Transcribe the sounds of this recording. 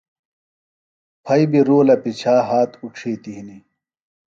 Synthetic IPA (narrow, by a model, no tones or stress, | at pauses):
pʰɐibiɾoːlɐpit͡ɕʰaːɦaːt̪uʈ͡ʂʰeːt̪iɦini